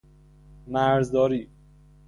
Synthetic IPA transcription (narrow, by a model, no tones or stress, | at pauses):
mæɾzd̪ɒːɾiː